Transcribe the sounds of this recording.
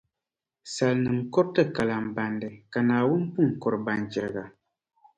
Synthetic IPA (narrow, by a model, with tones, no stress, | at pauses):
sa˨lnɨ˨mkɔ˦ɾtɨ˦ka˨la˨m˨ba˨ndɨ˨ka˨naː˨wʊ˦npu˦˨ŋ˨kɔ˨ɾba˦nd͡ʒɛ˨ɾɨ˨ɡa˨